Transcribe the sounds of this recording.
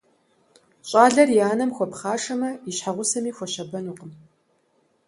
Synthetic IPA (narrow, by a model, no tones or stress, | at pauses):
ɕʼaːɮɐrjaːnɐmxʷɔpχaːʂɐmɐiɕħaʁʷʊsɐmiːxʷɔɕɐbɐnuːqəm